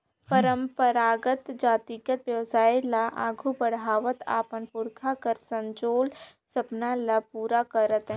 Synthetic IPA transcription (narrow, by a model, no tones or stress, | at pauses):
pəɾə̃mpəɾaːɡət̪d͡ʒaːt̪ikət̪wjəʋsaːjlaʔa̰ːɡʱubəɽɦaːʋət̪a̰ːpənpʊɾkʰakəɾsə̃ɲd͡ʒoːl | sɐpnalapuːɾakəɾət̪ɦɛ̃